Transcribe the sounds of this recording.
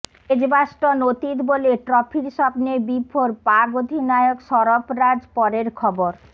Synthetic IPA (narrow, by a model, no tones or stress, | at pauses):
ed͡ʑbaʃʈonot̪it̪boleʈɾɔpʰiɾʃɔbnebibʱoɾpaɡod̪ʱinajokʃɔɾopɾad͡ʑpɔɾeɾkʰɔboɾ